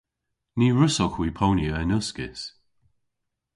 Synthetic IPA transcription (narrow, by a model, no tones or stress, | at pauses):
niːɹʊsɔkwiːpʰownjəɛnʊskɪ̰s